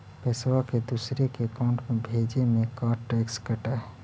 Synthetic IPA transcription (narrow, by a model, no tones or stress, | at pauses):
pɛswaked̪usɾekekãʊ̃ɳʈmebʱed͡ʒemekaɾʈɾekskəʈə